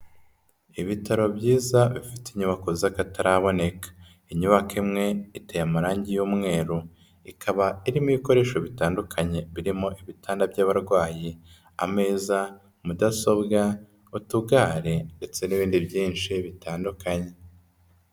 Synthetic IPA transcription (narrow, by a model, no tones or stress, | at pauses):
iβitʰaɾo̞bɟiːzaβifi̥tiɲuβakozakataɾaβo̞ne̞kḁ | iɲuβakimŋe̞itejamaɾaːɲɟijuːmŋe̞ːɾo | ikʰaβaiɾimiβiko̞ɾe̞ːʃo̞βitaːndukʰaɲe̞βiɾimoʔiβitʰaːndabɟaːβaɾɡwaːji | a̰me̞ːza | mudaso̞bɡa | utuɡaːɾe̞nde̞t͡se̞niβiːndibɟiːnʃiβitaːndukʰaɲe̞